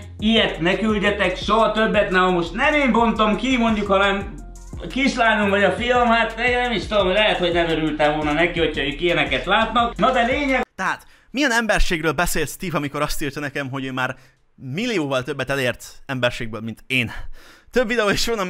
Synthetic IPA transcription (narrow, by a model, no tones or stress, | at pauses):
ijɛt̪nɛkylɟɛt̪ɛkʃoɦɒt̪øbːɛt̪nɛɦɒmo̞ʃt̪nɛmeːmbont̪omkimo̞ɲɟukhɒnɛm | kiʃlaːnumvɒɟɒfilmhat̪mɛɡnɛmiʃt̪ud̪omlɛɦɛt̪ho̞ɟnɛmøɾylt̪ɛvo̞lnɒnɛkiho̞cʰɒøːkijɛnɛkɛt̪laːt̪nɒknɒd̪ɛleːɲɛɡt̪ɛɦaːt̪ | mijɛnɛmbɛrʃeːɡrøːlbɛseːlst̪iːvɒmiko̞ɾɒst̪irt̪ɒnɛkɛmɦoɟøːmaːr | milːioːvɒlt̪ø̞bːɛt̪ɛleːrt̪ɛmbɛrʃeːɡ̚bøːlmint̪eːnt̪øbvid̪ɛoːeʃʋonɒ